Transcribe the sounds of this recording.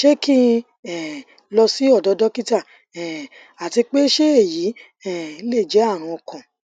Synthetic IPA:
ʃe˦ki˦˧ | ɛ˨ | lɔ˧si˦ɔ˦˨dɔ˨˧˦dɔ˦ki˦ta˦˨ | ɛ˨ | a˨ti˧k͡pe˦ʃe˦e˦˨ji˨˦ | ɛ˦˨˦le˦˨d͡ʒɛ˨˦a˦˨ɾ̃ɔ̃˧ɔ˨kɔ̃˨

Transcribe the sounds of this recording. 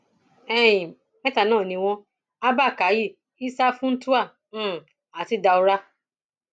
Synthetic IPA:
ɛ˦ĩ˨ | mɛ̃˦ta˧˨nãː˦˨nĩ˧w̃ɔ̃˧ | a˦ba˦˨ka˨˦ji˦˨ | i˦sa˦fũ˦n̩˦tu˦ã˦˨ | a˨ti˨˦da˧o˧ɾa˦

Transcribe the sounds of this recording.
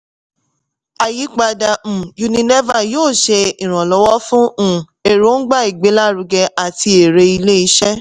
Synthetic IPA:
a˨ji˨˦k͡pa˧da˧m̩˨ju˧nĩ˧ne˦va˨joː˦˨ʃe˧i˨ɾ̃ɔ̃˨lɔ˨˦wɔ˦fũ˦˨e˨ɾo˦n̩˦ɡ͡ba˦i˨ɡ͡be˨˦la˦˨ɾu˧ɡɛ˧ʔa˨ti˧e˨ɾe˧i˧le˦i˧˦ʃɛ˦

